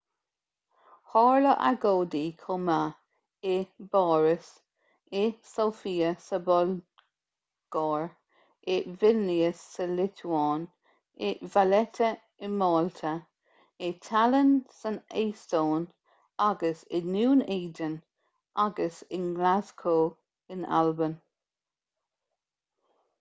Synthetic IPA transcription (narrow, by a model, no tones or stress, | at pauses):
hɑːɹləʔa̰ɡoːdiːkʰʊma | ɪbɑːɹəs | ɪsoːfiːəsəbɔl | ɡ̥ɑːɹ | ɪvɪlliəsːəlɪtʰuɑːn | ɪvalɛtʰə | ɪmɑːltʰə | ɪtʰalənsəneːstoːn | aɡəsɪnuːneːd͡ʒən | ʔaɡəsɪnɡlaskʰoː | ɪna̰lbən